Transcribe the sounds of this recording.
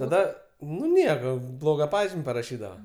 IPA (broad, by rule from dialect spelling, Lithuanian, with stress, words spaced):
tɐˈdɐ nʊ ˈnʲiɛkoː ˈblˠoːɡɐ ˈpɑːʒʲɪmʲ pɐrɐˈʃʲiːdɐʋɐ